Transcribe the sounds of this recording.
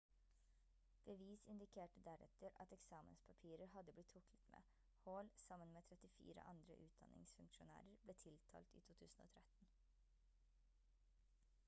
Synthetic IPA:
b̥əʋiːsɪnd̪ɪkʰeːʈəd̪æɾɛ̰t̪əɾɑ̰t̪ɛksɑːmə̰nspʰɑpʰiːɾəɾɦɑd̪əblɪt̪ʰːʊkʰlə̥t̪mḛː | hoːlsɑmənmeːt̪ʰɾɛt̪ɪfḭːɾə̰ʔɑnd̪ɾə̰ʔʉːt̪̚d̪ɑ̰nɪ̰ŋsfʉŋkʃʊnæ̰ːɾəɾbleːt̪ʰɪlt̪ʰɑ̰ːlt̪ḭːt̪ʰuːt̪ʰʉːsn̩o̰ːt̪ʰɾɛt̪n

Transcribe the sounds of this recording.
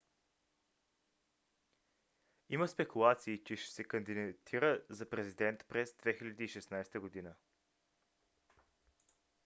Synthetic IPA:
iməspɛkulˠat̪siːt͡ʃɛʃɛ̥sɛkənd̪it̪ʰiɾəzɐpɾɛzid̪ɛnt̪pɾɛzd̪vɛxilʲɐd̪iːʃɛsnajst̪əɡod̪inə

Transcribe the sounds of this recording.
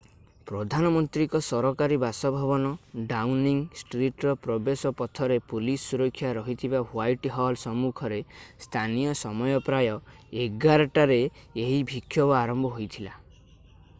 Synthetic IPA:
pɾɔd̪ʱanɔmɔnt̪ɾikɔsɔɾɔkaɾibasɔbʱabɔnɔɖawniŋsʈɾiʈɾɔpɾɔbesɔpɔt̪ʰɔɾepulisːuɾɔkʰːjaɾɔɦit̪ʰibaɦwajʈɦɔlsɔmukʰɔɾest̪ʰanijɔsɔmɔjɔpɾajɔeɡaɾɔʈaɾeeɦibʱikʰːjɔbɔaɾɔmbʱɔɦojt̪ʰila

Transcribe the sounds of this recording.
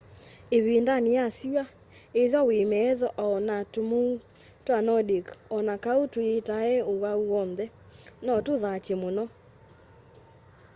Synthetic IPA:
eβindanijasia | eðɔwemɛðɔʔɔnatomu | twanɔdikɔnakaotoetaɛowauwɔnðɛ | nɔtoðat͡ʃemonɔ

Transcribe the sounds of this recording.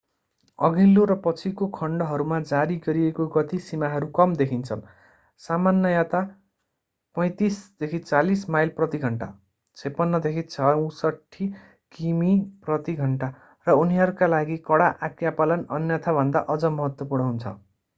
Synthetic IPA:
ʌɡilːoɾʌpʌt͡sʰikokʰʌɳɖʌɦʌɾumad͡zaɾiɡʌɾiekoɡʌt̪isimaɦʌɾukʌmd̪ekʰint͡sʰʌ̰ | samanːʌjat̪a | pʌj̃t̪isd̪̥ekʰit͡salismajlprʌt̪iɡʱʌɳʈa̰ | t͡sʰepʌnːʌd̪ekʰit͡sʰʌ̃sʌʈʰːi | kimiprʌt̪iɡʱʌɳʈa | rʌuniɦʌɾukalaɡikʌɽaʔakjapalʌnʌnjʌt̪ʰabʱʌnd̪aʔʌd͡zʌmʌɦʌt̪wʌpurnʌɦunt͡sʰʌ̰

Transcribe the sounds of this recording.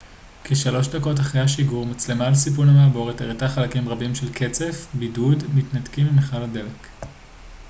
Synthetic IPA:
keʃalo̞ʃdako̞t̬aχʁejaʃiɡuʁmat͡slemalsip̬unamaːbo̞ʁeteʁetaχalakimʁabimʃelkʰe̞t͡se̞fbidudmitnatkimimeχalade̞lek

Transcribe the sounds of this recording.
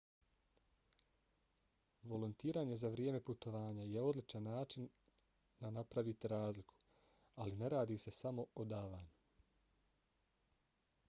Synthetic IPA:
ʋo̞lunt̪iːɾaːɲe̞zaʋɾjeːme̞put̪o̞ʋaːɲajeo̞d̪lit͡ʃanːaːt͡ʃinː | anapɾaʋit̪iɾaːzlikʰu̥ | aline̞ɾaːd̪iːse̞samo̞od̪aːʋaːɲu

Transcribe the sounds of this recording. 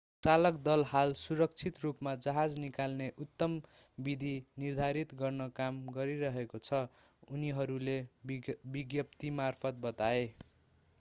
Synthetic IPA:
t͡salʌkd̪ʌlɦalsuɾʌk̚t͡sʰit̪rupmad͡zʌɦad͡znikalneʔut̪ːʌm | bid̪ʱinird̪ʱaɾit̪ɡʌrnʌkamɡʌɾiɾʌɦekot͡sʰʌ | uniɦʌɾule | biɡjʌp̚t̪imarpʰʌt̪̚bʌt̪ae

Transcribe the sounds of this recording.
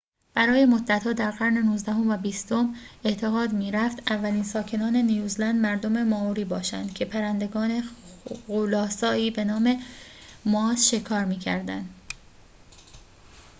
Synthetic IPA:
b̥æɾɒːje̞mo̞d̪ːæt̪hɒːd̪æɾɣæɾne̞nuːzd̪æɦo̞mvæbiːst̪o̞me̞t̪ʰe̞ɣɒːd̪miːɾæft̪ævːæliːnsɒːcʰe̞nɒːne̞nijuːzlænd̪mæɾd̪o̞me̞mɒːuɾiːbɒːʃæ̰nd̪̥cʰe̞pʰæɾænd̪e̞ɡɒːne̞ɣolɒːsɒːiːbe̞nɒːme̞mɒːsʃe̞kʰɒːɾmiːcʰæ̰ɾd̪ænd̪

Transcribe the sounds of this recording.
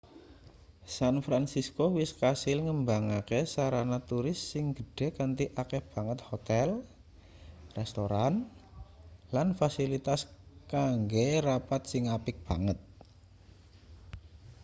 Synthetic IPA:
sanfɾansiskowɪskasɪlŋəmbaŋakesaɾanat̪uɾɪsːɪŋɡ̥ə̤ɖ̥ɛ̤kant̪iʔakɛhb̥a̤ŋət̪̚hot̪ɛl | rɛst̪oɾan | lanfasilit̪askaŋɡerapat̪sɪŋapɪk̚b̥a̤ŋət̪̚

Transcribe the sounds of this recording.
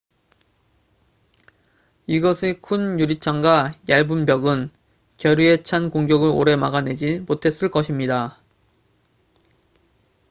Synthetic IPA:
iɡʌsʰikʰunjuɾit͡ɕʰaŋɡwajaɭbumbjʌɡɯn | kjʌɾiet͡ɕʰankoŋɡjʌɡɯɾo̰ɾe̞maɡane̞d͡ʑimotʰe̞s͈ɯɭk͈ʌɕʰimɲida

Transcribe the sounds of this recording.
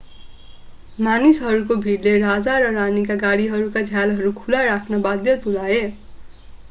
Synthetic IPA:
manisɦʌɾukobʱiɽlerad͡zaɾʌranikaɡaɽiɦʌɾukad͡zʱjalɦʌɾukʰulaɾakʰnʌbad̪jʌt̪ulae

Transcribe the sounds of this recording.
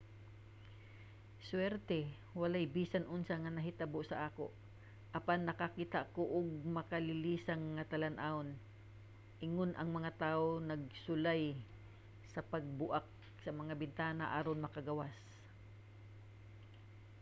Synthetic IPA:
swɛɾt̪ɛ | wɐlajbiːsanʔʊnsaŋanɐɦɪt̪aboʔsɐʔaːko̰ʔ | ʔɐpanːɐkakiːt̪aʔkoʔʊɡ̚mɐkalɪliːsaŋːat̪ɐlanʔaon | ʔɪŋonʔɐŋmɐŋat̪aːʔonɐɡ̚sʊlaj | sɐpɐɡ̚bʊʔak̚ | sɐmɐŋabɪnt̪aːnaʔaːɾonmɐkaɡɐwas

